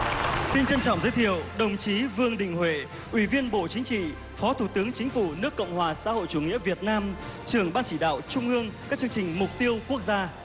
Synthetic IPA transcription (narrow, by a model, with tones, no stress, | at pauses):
si˧nt͡ɕə˧nt͡ɕɔ̰˧˨wŋ͡mzəː˨˦jt̪ʰi˧˨əwɗə˨˩wŋ͡mt͡ɕi˨˦vɨ˧əŋɗḭ̈˧˨ŋ̟hwe˧˨ | ʔwi˧˩vi˧ənɓo̰˧˨t͡ɕï˨˦ŋ̟t͡ɕḭ˧˨ | fɔ˨˦t̪ʰu˧˩t̪ɨ˨˦əŋt͡ɕï˨˦ŋ̟fu˧˩nɨ˦˥əkːə̰˧˨wŋ͡mhwaː˨˩sa̰ː˧˥ho̰˧˨jt͡ɕu˧˩ŋḭ˧˥əvi˨˩ət̚naː˧mt͡ɕɨ˨˩əŋɓaː˧nt͡ɕi˧˩ɗa̰ː˧˨wt͡ɕʊ˧ŋ͡mʔɨ˧əŋkaː˦˥k̚t͡ɕɨ˧əŋt͡ɕï˨˩ŋ̟mʊ˨˩k͡p̚t̪i˧əwku˦˥ək̚zaː˧